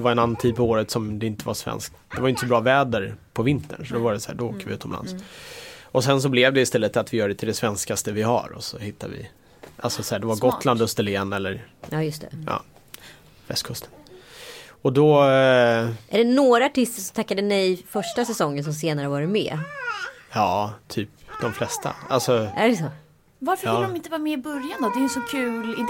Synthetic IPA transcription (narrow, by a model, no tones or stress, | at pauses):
ɛvaɾɛnanːant̪ʰiːd̪̚pʰɔoːɾət̪sɔmd̪ɛɪnt̪əvaʂvɛ̰nsk̚t̪d̪̥ɛvajʏnt̪əsɔbɾɑːvɛːd̪əɾpʰɔvɪnt̪ə̰ɳʂɔd̪ɔvaɖɛsæ̰ːɖɔoːkːəɾvɪʉ̟ːt̪ʰɔmla̰ns | ɔsɛns̬ɔblɛvd̪ɛɪst̪ɛlːət̪at̪vɪjœːɖɛt̪ɪld̪ɛsvɛnskast̪əvɪɦa̰ɾɔ̰sɔ̰hɪt̪ːad̪vɪ̰ | ʔalsɔsɔhæːɖɛvaɡɔt̪land̪ɵst̪əleːnɛlːəɾɑːjɵst̪ɛ̰ɑ̰ː | vɛ̰st̪kʰɵst̪ə̥n | ɔd̪ɔ | ʔæɖɛnoːɾaaʈɪst̪əʂɔmt̪ʰakːad̪ənɛjfœʂʈasɛsɔŋːəns̬ɔmseːnaɾəvɑːɾɪmɛ̰ː | jɑːt̪ʰyːp̚d̪ɔmflɛst̪a̰a̰lsɔæɖɛsɔ | vaɾfəɾɪːd̪ɔmɪnt̪əvːmɛɪbɵɾjand̪ɔd̪ɛjɛnsɔkʰʉ̟ːlɪd̪